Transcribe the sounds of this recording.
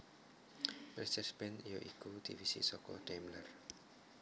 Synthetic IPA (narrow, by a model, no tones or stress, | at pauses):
mlɛst͡ʃɛsbɛnijoʔikud̪̥iwisḭsɔkɔ̰ɖ̥emlər